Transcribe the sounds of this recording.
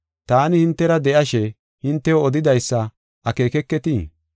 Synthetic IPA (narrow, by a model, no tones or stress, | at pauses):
t̪aːnɪhɪnt̪ːɛɾɐd̪ɛʔɐʃɛ | hɪnt̪ːɛwoɔd̪ɪd̪ɐjsːɐ | ʔɐke̞ːkɛkːɛt̪i